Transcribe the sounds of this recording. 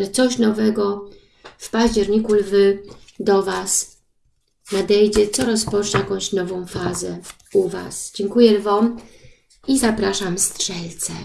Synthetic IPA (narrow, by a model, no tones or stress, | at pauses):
ɛt̪sɔɕnɔvɛɡɔ | fpaʑd͡ʑɛɾɲikulvɘ | d̪ɔvas | nad̪ɛjd͡ʑɛt̪sɔɾɔspɔt͡ʂɲɛjakɔ̃w̃ɕnɔvɔ̃w̃fazɛ | uva̰sd͡ʑɛŋkujɛlvɔm | izapɾaʂamstʂɛlt̪sɛ